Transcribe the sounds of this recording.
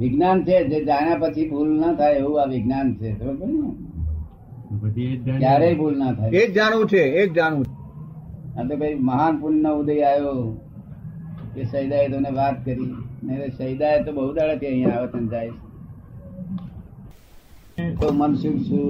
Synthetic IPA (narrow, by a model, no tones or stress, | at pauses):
ʋɪɡnant͡ʃʰed͡ʒed͡ʒaɽ̃japət͡ʃʰibʱulnət̪ʰajeɦũaʋɪɡnant͡ʃʰet̪oɾukəɾina | kjaɾeibʱulnat̪ʰajekd͡ʒaɽʋũt͡ʃʰeek̚d͡ʒaɽʋũt͡ʃʰe | at̪ebʱəiməɦanpuɾɳnəud̪əiajo | kesəjd̪aet̪oneʋat̪kəɾineɾesəjd̪aet̪obəɦud̪aɭək̪iə̃ɦĩjãːʋət͡ʃənd͡ʒait͡ʃe | t̪omənsukt͡ʃʰu